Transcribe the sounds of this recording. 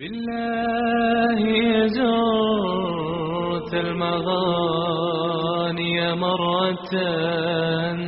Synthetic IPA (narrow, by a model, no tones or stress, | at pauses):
bɪlːa | hɪzuɾ | t̪almaɣɑ | nɪjamɑɾˤːɑt̪a | n